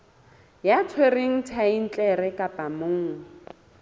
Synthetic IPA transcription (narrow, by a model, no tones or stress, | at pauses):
jatʰweriŋ̩tʰain̩t͡ɬʼɛɾɛkʼapʼamʊːŋ̩